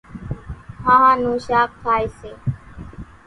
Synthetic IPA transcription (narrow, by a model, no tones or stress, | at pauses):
ɦãːɦãːnũːʃaːk̚fʰaːiːseː